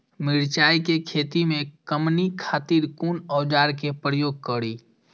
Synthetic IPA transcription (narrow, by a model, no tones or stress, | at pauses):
mɪɽt͡ʃaːikekʰeːt̪imẽkəmnikʰaːt̪iɾkunɔːd͡ʒaːɾkepɾəjoːɡ̚kəɽiː